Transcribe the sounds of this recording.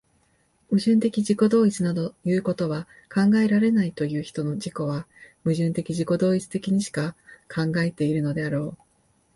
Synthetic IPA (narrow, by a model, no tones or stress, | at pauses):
ɯ̟ʑɨ̃nt̪e̞kʲiʑiko̞d̪o̞ːit͡sɨnad̪o̞jɯːko̞t̪o̞β̞a | kãŋɡae̞ɾaɾe̞nait̪o̞jɯ̟ːçi̥t̪o̞no̞d͡ʑiko̞β̞amɯ̟ʑɨ̃nt̪e̞kʲiʑiko̞d̪o̞ːit͡sɨ̥t̪e̞kʲiɲ̟iɕi̥kakʰãŋɡae̞t̪e̞iɾɯ̟no̞d̪e̞aɾo̞ː